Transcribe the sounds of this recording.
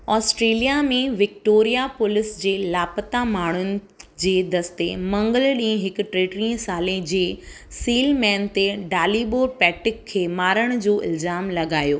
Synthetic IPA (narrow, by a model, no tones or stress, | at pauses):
ɔːsʈɾeːlijamẽʋɪk̚ʈoːɾijapʊlɪsd͡ʑeːlaːpət̪amaːɳ̤ʊnɪ̆ | d͡ʑeːd̪ɐst̪emɐ̃ŋɡəlɗĩːə̃ɦɪkʊ̆ʈɾeːʈɾĩsaːlẽd͡ʑeː | siːlmɛːnt̪eɖaːliɓoːɾpɛːʈɪkʰːeːmaːɾəɽ̃ʊd͡ʑoːʔɪ̰lzaːmlɐɡaːjoː